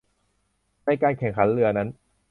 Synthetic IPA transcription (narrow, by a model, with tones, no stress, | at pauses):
na˧jkaː˧nkʰɛ˨˩ŋkʰa˩˦nlɯ˧ɐna˦˥n